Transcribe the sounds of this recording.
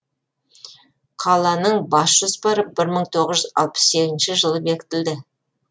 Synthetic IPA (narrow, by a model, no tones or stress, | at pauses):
qʰɑlˠɑnəɴbɑsʒ̥ospɑɾəp̚b̥ɪɾməɴt̪ʰo̞ʁəzʒʏzɑ̰lˠpə̥sse̞ɡʲzɪnʃɪʒəlˠəbe̞kʲɪ̥t̪ɪld̪ɪ